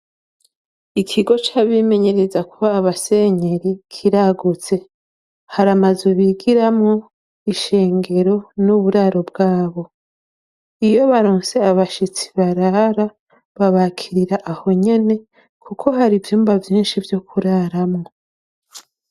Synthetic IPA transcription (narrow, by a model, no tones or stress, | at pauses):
ikʰiɡo̞t͡ʃaβime̞ɲe̞ɾe̞zakuːβase̞ɲe̞ɾikʰiɾaɡut͡se̞ | haɾamazuβiɡiɾamŋo | iʃe̞ːŋɡe̞ɾo̞nuβuɾaɾo̞bɡaːβo̞ | ijo̞βaɾoːnse̞aβaʃit͡si̥βaɾaɾa | βaβakʰiɾiɾaʔaho̞ɲe̞ne̞ | kʰukʰo̞haɾivjuːmbavjiːnʃivjo̞kʰuɾaɾamŋo